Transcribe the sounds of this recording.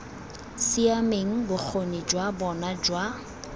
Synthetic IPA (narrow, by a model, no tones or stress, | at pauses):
siameŋ̩bʊk͡xʰonid͡ʒwabɔnad͡ʒwa